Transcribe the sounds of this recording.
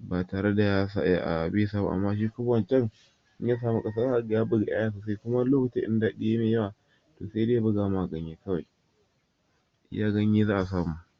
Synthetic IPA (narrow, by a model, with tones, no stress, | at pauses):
baː˨taː˨ɾe˦da˨ja˦sa̰˦ʔa̰˦ʔa̰˨bi˦saː˦ba̰˨ʔa̰˨mːa˦ʃ̬iː˦kʊ˦bɐ˨nt͡ʃɛ˦ŋ | ʔɪ˦ja˦s̬aː˨mu˦kʼɐ˦saː˦za˦ʔa˨ɡjaː˦bʊ˦ɡa˨ʔa̰˦jaː˦˨sa˨sa˦i˦kʷʊ˦ma˦loː˦kɪ˨ti˦ʔɪ̰˦nda˨ɗi˦je˦meː˨ja˦waː˨ | to̰ː˨se˦deː˦ja˦bʊ˦ɡaː˨ma˦ʔa˨ɡɐ˦ɲjeː˦kɐ˦wa˨j | ʔjaː˦ɡɐ˦ɲ˦iː˦zaː˦ʔa˨saː˨mu˦